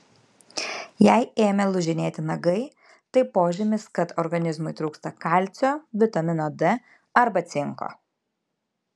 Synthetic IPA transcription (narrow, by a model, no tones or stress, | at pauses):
jɛɪeːmʲɛlˠʊʒʲɪnʲeːt̪ʲɪnɐɡɐɪ | t̪ɐɪpoːʒʲɪmʲɪskɐt̪ɔɾɡɐnʲɪzmʊɪt̪ɾuːkst̪ɐkɐˑlʲt̪sʲoːʋʲɪt̪ɐmʲɪnoːd̪ɛ | ɐɾbɐt̪sʲɪŋko̰ː